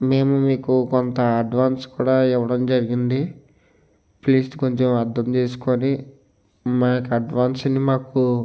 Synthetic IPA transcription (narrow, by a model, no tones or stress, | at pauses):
me̞ːmumiːkukont̪ɐɐɖʋaːnskuːɽaːiʋɐɽɐmd͡ʒɐɾiɡind̪i | pliːsko̞ɲt͡ʃemɐɾd̪ɐmt͡ʃeːs̬u̥koːni | maːkɐɖʋaːnsɐnimaːku